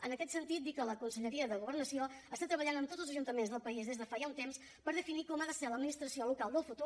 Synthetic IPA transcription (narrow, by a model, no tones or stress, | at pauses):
ənəkɛt̪sənt̪it̪̚d̪ikələkunsəʎəɾiəðəɣuβəɾnəsioəst̪at̪ɾəβəʎanəmt̪otzəlzəʒunt̪əmenzðəlˠpəizðezðəfajaunt̪ems | pəɾðəfinikɔmaðəsɛɾləd̪minist̪ɾəsiolukalˠd̪əlˠfut̪u